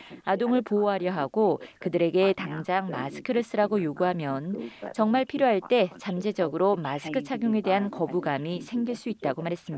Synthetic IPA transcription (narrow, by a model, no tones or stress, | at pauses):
adoŋɯɭpooɦaɾjʌɦaɡ̥okɯdɯɾe̞ɡe̞taŋd͡ʑaŋma̰sʰɯ̥kʰɯɾɯs͈ɯɾaɡojoɡuɦamjʌnt͡ɕʌŋmaɭpʰiɾjoɦaɭt͈e̞t͡ɕamd͡ʑe̞d͡ʑʌɡɯɾomasʰɯ̥kʰɯt͡ɕʰaɡjoŋe̞de̞ɦankʌbuɡamisʰe̞ŋɡiɭs͈uit̚t͈aɡomaɾɦe̞s͈ɯmɲida